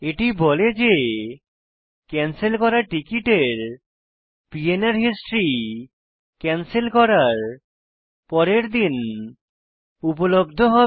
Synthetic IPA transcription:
eʈiboled͡ʑe | kɛnselkɔɾaʈikiʈeɾ | pienaɾɦisʈɾi | kɛnselkɔɾaɾ | pɔɾeɾd̪in | upolobd̪ʱoɦɔ

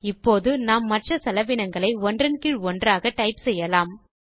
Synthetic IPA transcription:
ɪpːoːðɯnaːmːɐʈrɐsɐlɐʋɪnɐŋɡɐɭɐɪɔndrɐnkɪɭɔndraːɣɐʈɐɪpsɛjːɐlaːm

